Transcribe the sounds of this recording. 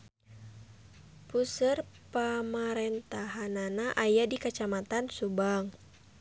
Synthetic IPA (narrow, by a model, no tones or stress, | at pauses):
pusərpamaɾɛnt̪aɦananaʔajadikat͡ʃamat̪ansubaŋ